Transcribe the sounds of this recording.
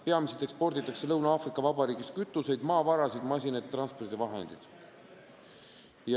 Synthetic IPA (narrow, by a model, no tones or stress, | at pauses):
pe̞ɑmised̪e̞kspo̞rd̪it̪ːˑɑkse̞lɤwnɑɑfrikːˑɑvɑbɑɾiːɡiskyt̪ːˑuse̞jd̪mɑːvɑɾɑsid̪mɑs̬ʲinɑjd̪̥et̪rɑnspo̞rd̪̥ivɑɦe̞̰nd̪̥id̪̥ | jɑ